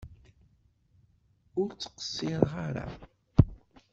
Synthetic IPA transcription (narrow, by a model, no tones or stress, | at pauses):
ʊɾt͡sːə̥qə̥sːɪɾʁaɾa̰